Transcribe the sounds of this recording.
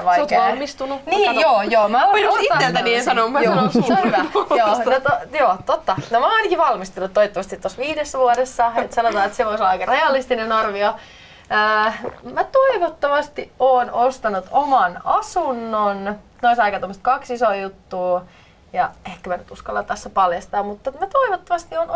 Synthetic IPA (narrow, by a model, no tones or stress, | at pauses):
ʋɑsioɑlmist̪ununiːjoːjoːmæoinoit̪ːelt̪æniensɑnommjooseonhyʋæjoːnot̪ojoːt̪ot̪ːɑnomænɑinɑkiʋɑlmist̪ulːut̪ːoit̪ːoʋɑst̪it̪ːosʋiːdesːæʋuoɾesːɑet̪sɑnot̪ɑːet̪seʋoisolːɑɑjkɑreɑlist̪inenɑrʋio | əːmæt̪oiʋot̪ːoʋɑst̪iʔoːnost̪ɑnut̪omɑnɑsunːon | noisɑikɑt̪omːost̪̚kɑksisojut̪ːuː | jɑehkːæmænyt̪uskɑlːɑt̪æsːæpɑljɑst̪ɑːmmut̪ːɑmæt̪oiʋot̪ːɑʋɑst̪ion